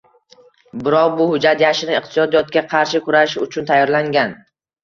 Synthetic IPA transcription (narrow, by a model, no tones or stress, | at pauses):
bɪɾɒqbʊhʊd͡ʒat̪jaʃɪnɪɨqt̪ʰɪ̥sɒd̪ijɒt̪̚kʲaqʰɑɾʃɪkʰʊɾaʃɪʊt͡ʃʰʊnt̪ʰajːɒɾlaŋɡʲan